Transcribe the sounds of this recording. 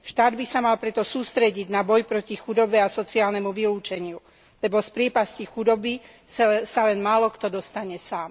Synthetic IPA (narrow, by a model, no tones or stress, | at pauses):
ʃt̪aːd̪bisamalpɾɛt̪ɔsuːst̪ɾɛɟiɟnabɔjpɾɔcixud̪ɔbɛasɔt͡siaːlnɛmuʋiluːt͡ʃɛɲɪu | lɛbɔspɾɪɛpascixud̪ɔbi | salɛnmaːlɔkt̪ɔd̪ɔst̪aɲɛsaːm